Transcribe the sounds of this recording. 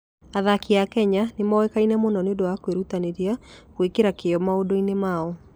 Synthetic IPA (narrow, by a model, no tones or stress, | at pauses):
aðakiakɛɲanemawɛkainɛmonɔneondowakweɾutaneɾiakwekeɾakeɔmaodoinemaɔ